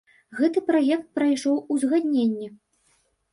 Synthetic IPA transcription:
ɣɛt̪ɨpɾajɛk̚t̪̚pɾɐjʂɔwuzɣad̪ʲnʲenʲːɛ

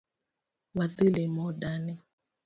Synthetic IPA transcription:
waðilɛmɔɗanɛ

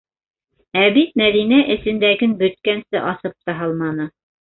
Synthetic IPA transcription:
æβit̪̚mæðinæʔɘ̆sɘ̆nd̪æɡɘnbɵ̆t̪̚kænsɘʔɑsɤp̚t̪ɑɦɑlˠmɑnɤ

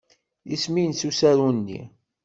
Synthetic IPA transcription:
jisminsusæɾunːḭ

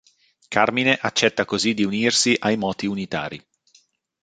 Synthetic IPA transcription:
kʰarmineʔat͡ʃːɛt̪ːakozid̪iuniːrsiʔajmɔːt̪iunit̪a̰ːɾi

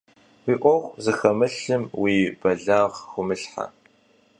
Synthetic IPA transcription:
wiːʔʷʼɔʁʷzɨxɐmɨɬɨmwiːbɐɮaːʁxʷʊmɨɬħa̰

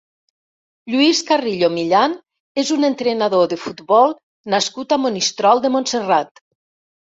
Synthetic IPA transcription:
ʎuiskariʎomiʎan | ezunent̪ɾenaðoðəfut̪βɔlˠ | naskut̪amonist̪ɾɔlˠd̪emonserat̪

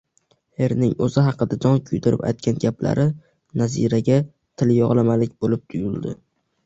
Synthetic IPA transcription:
he̞ɾnɪŋɵzɪɦɑqɨd̪ad͡ʒ̪ɒŋkʲʰʊjt̪ʰɪɾɪ̰pa̰jt̪̚kʲʰanɡʲapla̰ɾɪ | nazḭɾaɡʲa | t̪ʰɪljɒʁlˠamalɪk̚ʲbolɪp̚t̪ʰʊjʊlˠd̪ɪ̰

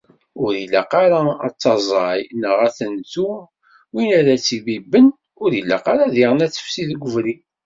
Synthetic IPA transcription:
ʊɾilːa̰qɑɾa̰t͡sːɑzˤɑjnəʁæθənt̪u | winæɾæt͡sːibibːən | ʊɾilːa̰qɑɾaðiʁənæt͡sːə̥fsiðɡʷəvɾi

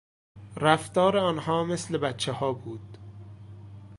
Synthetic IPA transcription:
ɾæft̪ɒːɾeɒːnhɒːmeslebæt̪t͡ʃʰːehɒːbuːd̪̥

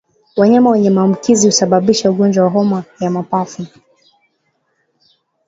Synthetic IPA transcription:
waɲamawɛɲɛmaːm̩kizihusaɓaɓiʃauɠɔnd͡ʒwawaɦɔmajamapafu

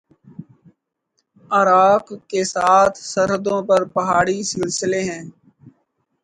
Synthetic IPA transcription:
əɾaːkkːesaːt̪ʰsəɾɦəd̪õːpəɾpəɦaːɽisɪlsɪleːɦɛ̃ː

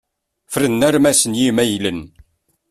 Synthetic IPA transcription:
fɾənːæɾmæsənjimæjlən

